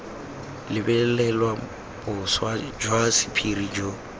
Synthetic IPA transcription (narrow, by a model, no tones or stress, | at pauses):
lɪbɛlɛlwa | bʊswad͡ʒwasɪ̥pʰirid͡ʒo